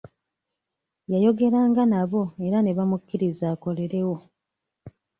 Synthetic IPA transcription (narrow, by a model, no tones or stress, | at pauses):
jajo̞ɡe̞ɾaːŋɡanaβo̞e̞ɾane̞βamukːiɾizaːko̞le̞ɾe̞wo̞